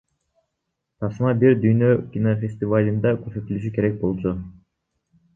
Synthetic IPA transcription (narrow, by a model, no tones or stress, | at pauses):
t̪ʰɑsmɑbiɾd̪yjnøkʲinofʲe̞sʲt̪ʲivalʲind̪ɑkøsøt̪ylyʃ̬yke̞ɾek̚bo̞lˠt͡ʃu